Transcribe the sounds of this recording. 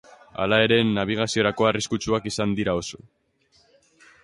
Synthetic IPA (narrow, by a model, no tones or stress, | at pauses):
a̰lae̞ɾe̞nːaβ̞iɣ̞asio̞ɾako̞ariskut͡ʃuakisand̪iɾao̞so